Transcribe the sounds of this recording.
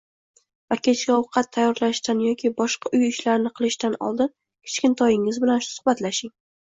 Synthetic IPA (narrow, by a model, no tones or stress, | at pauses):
vakʲʰe̞t͡ʃkʲaʊqʰɑt̪ʰːajːɒɾlaʃt̪anjɒkʲʰibɒʃqɑʔʊjɪʃlaɾnɪqʰɨlˠɪʃt̪anɒ̰lˠd̪ɪn | kʲʰɪ̥t͡ʃkʲɪnt̪ʰɒjɪŋɪzbɪlansʊ̥hbat̪laʃɪŋ